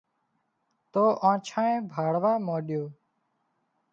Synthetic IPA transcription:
t̪oːʔãːt͡ʃʰãːẽːbʱaːɽʋaːmoːɗjoː

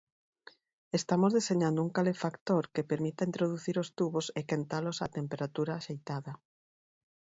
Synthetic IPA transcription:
est̪amozðeseɲand̪ʊuŋkalefakt̪oɾkepeɾmit̪aint̪ɾoð̞uθiɾost̪uβosekent̪alosat̪empeɾat̪uɾaːʃejt̪aðɐ

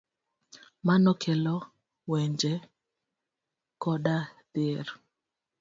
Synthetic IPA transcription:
manɔkʰɛlɔ | wɛɲd͡ʒɛ | kɔɗad̪̥ɪr

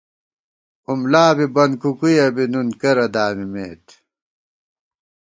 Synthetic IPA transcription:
umlaːbibɐnkukujɐbinunkɐɾɐd̪aːmimeːt̪

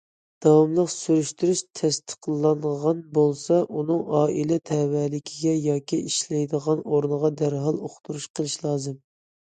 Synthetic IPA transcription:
d̪̥ɑwɑmlˠəqsyɾyʃt̪ʰyɾyʃt̪ʰɛst̪ʰə̥qlˠːɑnʁɑnbolˠsɑʔunɨŋɑːʔilɛt̪ʰɛwɛlɪkʲʰiɡʲɛjɑːkʲiʔiʃlɛjd̪əʁɑnoɾnəʁɑd̪æɾɦɑlˠoχt̪ʰuɾuʃqʰəlˠɨʃlˠɑːzɨm

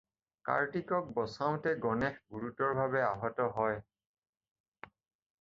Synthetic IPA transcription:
ka̰ɹtikɔk̚bɔsaʊ̃tɛɡɔnɛxɡuɹutɔɹbʱabɛaɦɔtɔɦɔj

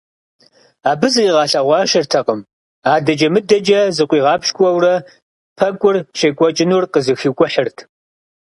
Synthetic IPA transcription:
aːbɨziːʁɑːɬɐʁʷɑːʃɐrtʰɐqʼəm | aːdɐd͡ʒɐmɨdɐd͡ʒɐzɨqʷʼiːʁɑːpʰʃkʷʼɐwrɐ | pʰɐkʷʼʊrʃɐkʷʼɔt͡ʃʼɪnurqəzɨxikʷʼʊħərtʰ

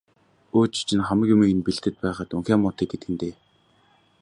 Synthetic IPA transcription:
oːt͡ɕt͡ɕʰĭnχamə̆kjʊmiːŋenpiɮt̪ɘ̆t̪̚pæːχaːt̪uŋxaːmːʊt̪iːk̚ɡet̪ɘ̆ɡɘ̆nt̪eː

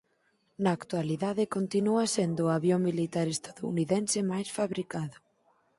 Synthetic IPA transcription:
nɐːkt̪ualiðaðɪkont̪inuɐsend̪ʊaβjoŋmilit̪aɾest̪aðoṵniðensɪmajsfaβɾikaðʊ

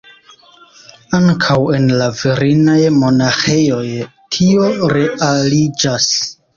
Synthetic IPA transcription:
aŋkʰawe̞nlaviɾinajmo̞naxe̞jo̞jtʰio̞ɾe̞ʔalid͡ʒas

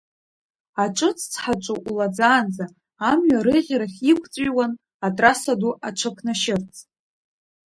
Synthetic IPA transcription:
aʈ͡ʂʼɨt͡sʰʼt͡sʰħat͡ʃʷʼuʔulad͡zaːnd͡zaː | mɥaɾɨʁʲaɾaχʲikʷʰʼt͡sʼɪwan | atʼrasaduʔaʈ͡ʂʰakʷʰnaʃɪrt͡sʰʼ

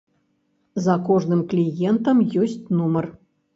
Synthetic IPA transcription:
zɐkɔʐnɨmklʲijɛnt̪əmjosʲtʲnumər

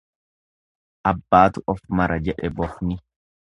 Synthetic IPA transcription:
ʔɐbːaːt̪ʊʔɔfmɐɾɐd͡ʒɛᶑɛbɔfnɪ

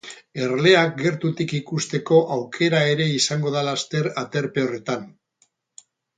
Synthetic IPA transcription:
e̞ɾle̞ak̚ɡe̞ɾt̪ut̪ikikust̪e̞ko̞ʔawkʰe̞ɾae̞ɾe̞isaŋɡo̞ð̞alast̪e̞ɾat̪e̞ɾpe̞o̞re̞t̪an

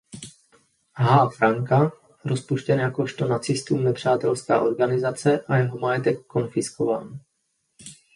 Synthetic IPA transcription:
ɦaːfɾaŋka | ɾo̞spuʃcɛnjako̞ʃt̪o̞nat͡sɪst̪uːmnɛpr̝̥aːt̪ɛlska̰ːʔo̞ɾɡanɪzat͡sɛʔajɛɦomajɛt̪ɛkːo̞nfɪskova̰ːn

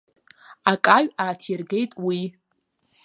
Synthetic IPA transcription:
akʼaɥʷᶣaːtʰirɡe̞jtʼwi

